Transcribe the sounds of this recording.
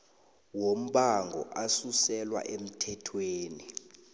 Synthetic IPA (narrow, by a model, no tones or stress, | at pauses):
wom̩ɓaŋɡʱɔ̰ʔasusɛlwa̰ʔem̩tʰɛtʰweːni